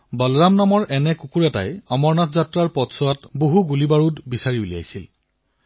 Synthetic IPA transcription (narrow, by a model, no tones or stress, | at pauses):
bɔlɹamnamɔɹʔɛnɛkukuɹɛta̰jɔmɔɹnatʰzatɹaɹpɔtsɔwatboɦuɡulibaɹutbisaɹiulija̰jsil